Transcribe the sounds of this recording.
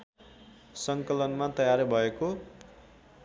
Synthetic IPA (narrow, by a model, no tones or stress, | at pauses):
sʌŋkʌlʌnmat̪ʌjaɾbʱʌeko